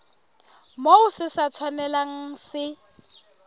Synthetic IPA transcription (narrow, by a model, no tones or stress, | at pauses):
moʊsɪsat͡sʰwanɛlaŋ̩sɪ